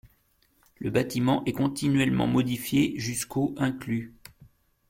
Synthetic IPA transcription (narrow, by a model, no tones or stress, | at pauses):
ləbat̪imɑ̃ʔɛkɔ̃t̪inɥɛlmɑ̰̃mɔd̪ifjeʒyskʰoʔɛ̃kly